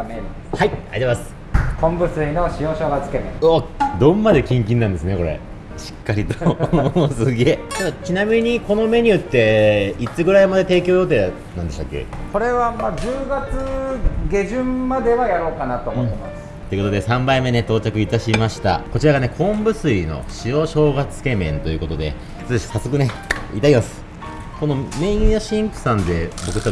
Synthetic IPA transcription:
meɾ | haia̰it̪emasɨ̥ | kʰõ̞mbɯ̟sɨinoɕijõːɕo̞ːɡat͡sɨ̥ket̪eoːd̪õ̞mːad̪e̞kʲĩŋk̬ʲĩnːãnd̪esɨne̞ko̞ɾe̞̰ | ɕi̥kːaɾʲit̪o̥osɨɡeːt͡ɕad̪at͡ɕinamʲiɲ̟iko̞no̞me̞ɲ̟iɯ̟t̪ːe̞it͡sɨɡɯ̟ɾaimad̪e̞t̪e̞ːkʲo̞ːjo̞ːt̪e̞ː | nãnd̪e̞ɕt̪a̰kːḛko̞ɾe̞βamad͡ʑɨːɡat͡sɨɡʲe̞ʑɨ̃mːad̪e̞βajaɾo̞ːkanat̪omot̪ːemḁ | t̪o̞ji̟kot̪o̞d̪e̞sãmbaime̞ne̞t̪o̞ːt͡ɕakɯ̟it̪aɕimaɕi̥t̪a̰ko̞t͡ɕiɾaɡane̞kʰõ̞mbɯ̟sɨino̞̰ɕio̞ɕo̞ːɡat͡sɨ̥ke̞mẽ̞nt̪o̞jɯ̟ko̞t̪o̞d̪e̞̰ | i̥t͡sɨɕi̥sasːo̞kɯ̟ne̞it̪aimasɨ̥ | ko̞no̞mẽ̞ĩjaɕĩŋkɯ̟̥sãnd̪e̞bo̞kɯ̟t̪

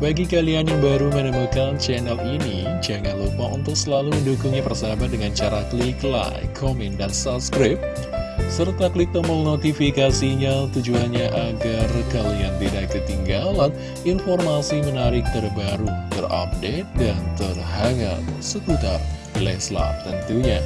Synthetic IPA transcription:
baɡikalianjaŋbaɾumənəmakant͡ʃɛnɛlini | d͡ʒaŋanlupaʔunt̪ʊk̚səlaluməndukuŋipərsabadəŋant͡ʃaɾakəlikla̰jkʰomɛndansapskɾɪp̚ | sərt̪aklik̚t̪əməlnot̪ifikasiɲat̪ud͡ʒuanɲaʔaɡarkaliand̪idak̚kət̪iŋɡalan | informasimənaɾɪk̚t̪ərbaɾut̪əra̰p̚det̪̚dant̪ərɦaŋa̰səkut̪a̰r | lɛ̰sla̰p̚t̪ənt̪uɲa

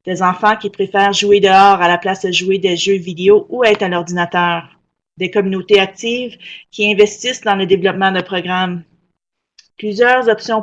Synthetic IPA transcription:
d̪̥ɛzɑ̃fɑ̃kʲipʁefɛːʁʒued̪əɑːʁalaplasəʒued̪ɛʒøvid̪eoʔuɛːt̪χalɔʁd̪inat̪œːʁ | d̪ɛkɔmynot̪eak̚t̪iːvkʲiɛ̃vɛst̪isd̪ɑ̃ləd̪evlɔpmɑ̃d̪əpʁɔɡʁam | plyzjœːʁzɔpsjɔ̃

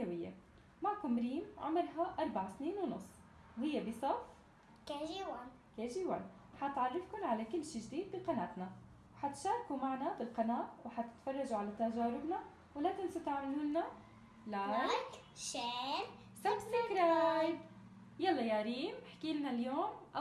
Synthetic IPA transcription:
jawɪjːa̰ | maːkʊmɾiːmʕʊ̰mɪɾɦaʔɑɾˤbaʕsniːnwnʊsˤː | whɪjːabisˤɑf | kaʒiwa | kaːʒiwa̰nwħat̪ʕarˤːɪfkʊnʕalakɪlːʃiːʒd̪iːd̪̚biqɑnaːt̪na | wħat̪ʃaːɾˤkumaʕnabɪlqɑnaːt̪wɪħat̪ɪ̥t̪fɑrˤːɑʒuʕalat̪aʒaːɾɪbna | wɪlat̪ɪnsut̪aʕmaluːnna | la | ʃe | saɪkɾˤajd̪ | jɑlˤːɑjaːɾiːmħḁkiːlɪnaljoːmʔ

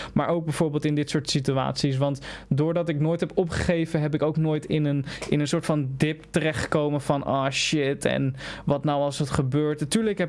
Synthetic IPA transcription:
ma̰ːɹʔowɡ̚bɛjv̥oːɹbeːlˠtɪndɪtsʊːɹtsitya̰ːtsis̬ʋɑntdoːɹdɑtɪknoːjtɦɛpɔpχə̥χejvənɦɛp̬ɪkowknoːjtɪnənɪnənsʊːɹtfɑndɪp̚tərɛχtə̥kowmənvɑnɔ̰ːʃɪtɛ̰nʋɑtnawɑlˠsətχəbøːɹtatyːɹləkɦɛ

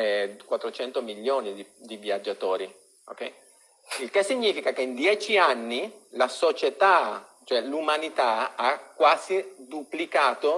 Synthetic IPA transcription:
ɛkwat̪ːɾot͡ʃɛnt̪omiʎːoːnid̪id̪iviad͡ʒːat̪oːɾi | o̰kɛj | ilkesːiɲːiːfikakeind̪jɛːt͡ʃianːilasot͡ʃet̪a | t͡ʃoɛlumanit̪aakːwaːzid̪uplikaːt̪o

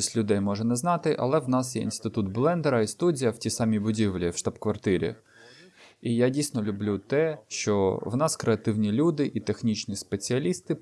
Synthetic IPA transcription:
ɐsʲtʲlʲʊd̪ɛjmɔʒɛnɛznɑt̪ɪʔɐ̰lˠɛwnɑsjɛ̰ḭnst̪ɪt̪ut̪blˠɛnd̪ɛɾɐist̪udʲijɐwtʲisɑmʲijbʊdʲiʋlʲiwʃt̪ɑbkʋɐrt̪ɪɾʲḭ | ijadʲijsʲnɔlʲʊblʲut̪ɛʃt͡ʃɔwnɑskɾeɐt̪ɪwnʲilʲud̪ɪʔit̪exnʲit͡ʃnʲispet͡sʲiɐlʲist̪ɪ

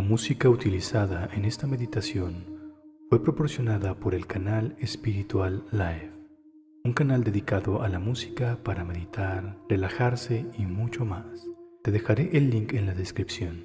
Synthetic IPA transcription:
lamusikaut̪ilisaðaʔe̞ne̞st̪ameðit̪asjo̞nfwe̞pɾo̞po̞ɾsjo̞naðapo̞ɾe̞lkanalespiɾit̪walːajf | uŋkanald̪e̞ðikaðo̞ʔalamusi̥kapaɾame̞ðit̪aɾre̞laxaɾse̞imut͡ʃo̞mast̪e̞ðe̞xaɾe̞ʔelːiŋke̞nlaðe̞skɾipsjo̞n

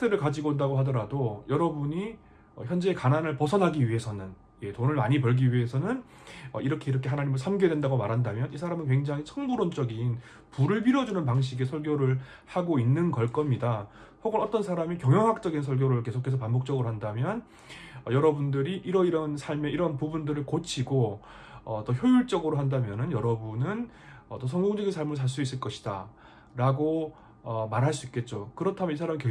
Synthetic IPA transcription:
s͈ʰeɾɯɭkad͡ʑiɡodaɡoɦadʌɾadojʌɾʌbuɲi | ʌ̰çjʌnd͡ʑe̞ːkananɯɭpʌsʰʌnɦaɡiɥiɦe̞sʰʌnɯn | je̞tonɯɭma̰ɲipʌɭɡiɥiɦe̞sʰʌnɯn | ʌiɾʌkʰe̞iɾʌkʰe̞ɦanaɲimɯɭs̬ʰamɡedwe̞ndaɡomaɾɦandamjʌnisʰaɾamɯnkwe̞ŋd͡ʑaŋit͡ɕʰʌŋbuɾont͡ɕ͈ʌɡin | puɾɯɭpiɾʌd͡ʑunɯnpaŋɕ̬ʰiɡe̞sʰʌɭɡjoɾɯɭ | haɡoinːɯnkʌɭk͈ʌmɲidasʰʌɡʌɾʌt͈ʌnsʰaɾamikjʌŋjʌŋɦak̚t͡ɕ͈ʌɡinsʰʌɭɡjoɾɯɭke̞sʰokʰe̞sʰʌpambok̚t͡ɕ͈ʌɡɯɾoɦandamjʌn | ʌjʌɾʌbundɯɾiʔiɾʌiɾʌnsʰaɭme̞iɾʌnpubundɯɾɯɭkot͡ɕʰiɡo | ʌt͈ʌçjojuɭt͡ɕ͈ʌɡɯɾoɦandamjʌnɯnjʌɾʌbunɯn | ʌt͈osʰʌŋɡoŋd͡ʑʌɡinsʰaɭmɯɭs̬ʰaɭs͈uis͈ɯɭk͈ʌɕʰi̥d̥a̰ | ɾaɡo | ʌmaɾɦaɭs͈uik͈e̞t̚t͡ɕ͈okɯɾʌtʰamjʌnisʰaɾamike

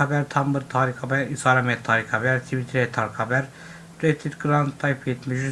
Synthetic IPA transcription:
abɛɾt̪ʰambɯɾt̪ʰaːɾikabɛɾisaːɾamɛt̪ʰːaːɾikabɛɾt̪ʰivit̪ʰɾɛt̪ʰːaɾkʰabɛɾ | d̪̥et̪ʰːit̪ɡɾant̪ʰːajpʰet̪miʒy

